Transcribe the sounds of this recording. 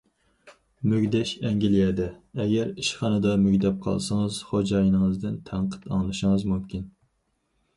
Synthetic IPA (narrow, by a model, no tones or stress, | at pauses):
møɡʲd̪ɛʃɛŋɡʲilijɛd̪ɛɛɡʲɛɾiʃχɑnɨd̪ɑmyɡʲd̪ɛp̚qʰɑ̰lˠsɨŋɨz̥χod͡ʒɑjinɨŋəzd̪ɪnt̪ʰæɴqʰə̥t̪ɑ̰ŋlˠɨʃɪŋɨzmumkʲʰin